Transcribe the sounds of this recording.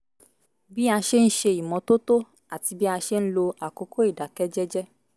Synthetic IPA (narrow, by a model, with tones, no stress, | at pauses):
bi˦a˧ʃe˦n̩˦ʃe˧i˨mɔ̃˨˧˦to˦to˦ | a˦˨ti˧bi˦a˧ʃe˦n̩˦lo˧a˨ko˨˦ko˦i˦˨da˨kɛ˦d͡ʒɛ˦d͡ʒɛ˦